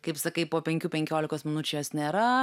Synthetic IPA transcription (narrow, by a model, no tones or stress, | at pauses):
kɐɪpsɐkɐɪpoːpʲɛŋʲkʲuːpʲɛŋʲkʲoːlʲɪkoːsmʲɪnʊt͡ʃʲʊjoːsnʲeːɾɐ